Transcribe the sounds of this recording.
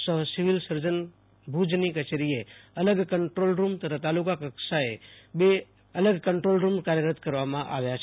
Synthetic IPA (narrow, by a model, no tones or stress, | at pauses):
səɦsiʋilsəɾd͡ʒən | bʱud͡ʒnikət͡ʃeɾieələɡkəɳʈɾolɾumt̪ət̪ʰat̪alukakəksaebe | ələɡkəɳʈɾolɾumkaɾjəɾət̪kəɾʋamãʔa̰ʋjat͡ʃʰ